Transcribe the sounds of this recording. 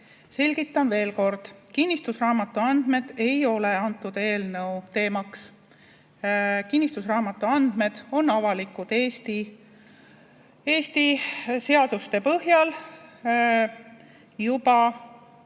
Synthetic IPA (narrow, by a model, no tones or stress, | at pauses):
se̞lʲɡ̥it̪ːˑɑnve̞ːlko̞rd̪̥kinʲːist̪usrɑːmɑt̪ːˑuɑnd̪̥me̞d̪̥e̞jo̞le̞ɑnt̪ːˑud̪̥e̞ːlnɤwt̪e̞ːmɑks | kinʲːist̪usrɑːmɑt̪ːˑuɑnd̪̥me̞d̪̥o̞nːɑvɑlikud̪̥eːst̪i | e̞ːst̪ise̞ɑd̪ust̪e̞pɤhjɑl | jubɑ